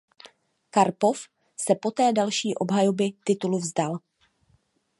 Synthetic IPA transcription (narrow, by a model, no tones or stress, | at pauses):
kaɾpo̞f | sɛpo̞t̪ɛːdalʃiːʔo̞bɦajobɪt̪ɪt̪uluvzdal